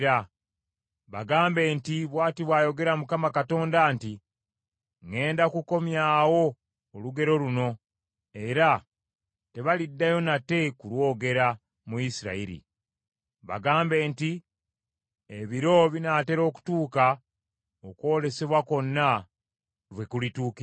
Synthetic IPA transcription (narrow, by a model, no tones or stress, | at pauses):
ɾa | βa̰ɡaːmbe̞ːntiβwaːtiβwaːjo̞ɡe̞ɾamukamakato̞ːndaːnti | ŋe̞ːndakuko̞mjaːwo̞ː | luɡe̞ɾo̞luno̞ | e̞ɾa | te̞βalidːajo̞nate̞kulwo̞ːɡe̞ɾa | muisiɾa̰iɾḭ | βa̰ɡaːmbe̞ːnti | eβiɾo̞βinaːte̞ɾo̞ːku̥tuːka | okwo̞ːle̞se̞βwako̞nːa | βwe̞kulituːk